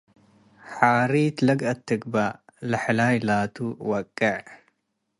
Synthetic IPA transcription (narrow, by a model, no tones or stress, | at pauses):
ħaːɾiːt̪lɐɡʔɐt̪ːɨɡbalɐħlajlaːt̪ʰuwɐkʼːɐʕ